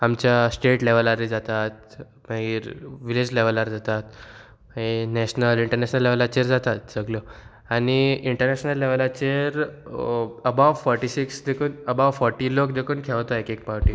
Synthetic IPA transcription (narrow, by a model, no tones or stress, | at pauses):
amt͡ɕjasʈeʈleʋəlaɾid͡zat̪at̪̚ | maiɾʋiled͡ʑleʋəlaɾd͡zat̪at̪ | enɛɕnəliɳʈəɾnɛɕnəlːeʋlat͡ɕeɾd͡zat̪at̪̚d͡zəɡljɔ | añiiɳʈəɾnɛɕnəlːeʋlat͡ɕeɾ | əbaʋfɔɾʈisiksd̪ekʰuːnəbaʋfɔɾʈiːlokd̪ekʰuːnkʰɛʋt̪aekek̚paɾʈi